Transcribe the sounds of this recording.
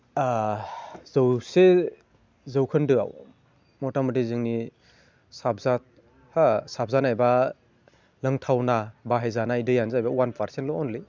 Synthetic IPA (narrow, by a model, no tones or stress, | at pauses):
a | zɯwse | zɯwkʰɯndɯa̰w | mɔtamɯtizɯŋni | sapzat̚ | hasap̚zanajba | lɯŋtʰawnabaɦajzanajdɯjanzajbawanpʰaɾsentlɔɔnli